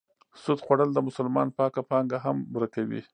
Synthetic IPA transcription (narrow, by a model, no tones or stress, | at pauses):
sʊd̪xwaɽəld̪əmʊsʊlmɑ̰npɑkapɑŋɡaɦambuɾakawḭ